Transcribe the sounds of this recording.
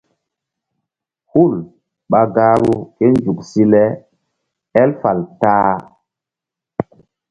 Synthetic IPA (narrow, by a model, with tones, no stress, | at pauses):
hu˦˨l | ɓa˨ɡaː˦ɾu˦ke˦nd͡ʒu˨ksi˦lɛ˦ | ɛ˦lfa˨ltaː˦